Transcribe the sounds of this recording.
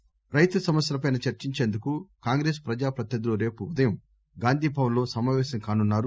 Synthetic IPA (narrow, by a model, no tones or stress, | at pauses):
ɾɐjt̪usɐmɐsjɐlɐpɐjnɐt͡ʃɐɾt͡ʃiɲt͡ʃe̞ːnd̪ukukaːŋɡɾeːspɾɐd͡ʒaːpɾɐt̪jɐd̪ilo̞ːɾe̞ːpuːd̪ɐjɐm | ɡaːnd̪ʱiːpɐʋɐlo̞ːsɐmaːʋɛːsɐmkaːnunːaːɾu